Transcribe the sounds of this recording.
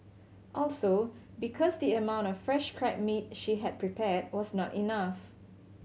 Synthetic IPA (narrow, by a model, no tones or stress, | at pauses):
ʔɔlso | bikʰɔsdiəmãw̃ntɔfːɹɛʃkʰɹɛk̚mit̚ʃiɦɛd̚pʰɹipʰɛt̚wɔsnɔtinaf